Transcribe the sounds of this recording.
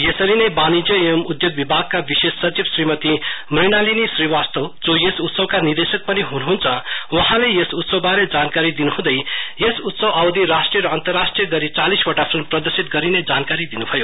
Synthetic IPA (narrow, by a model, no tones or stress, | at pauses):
jesʌɾinʌjbanid͡zjʌemud̪joɡbibʱaɡ̚kabisessʌt͡sibsrimʌt̪imriñalinisriwast̪ʌwd͡zojesut̪sʌwkanird̪esʌk̚pʌniɦunuɦunt͡sʰʌ̃wʌɦãlejesut̪sʌwbaɾed͡zankaɾid̪inuɦũd̪ʌjjesut̪sʌwawd̪iɾasʈrijʌɾʌːnt̪ʌrːasʈrijɡʌɾit͡salisbʌʈapʰrimprʌd̪ʌrsit̪̚ɡʌɾined͡zankaɾid̪inubʱʌjo